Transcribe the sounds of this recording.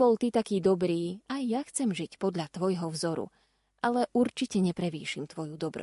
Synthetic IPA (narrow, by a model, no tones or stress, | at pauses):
bɔlt̪it̪akiːd̪ɔbɾiːajːaxt͡sɛmʒicpɔd̪ʎat̪ʋɔjɦɔvzɔɾṵ | ʔalɛʔuɾt͡ʃicɛɲɛpɾɛʋḭːʃimt̪ʋɔjud̪ɔbɾɔ̰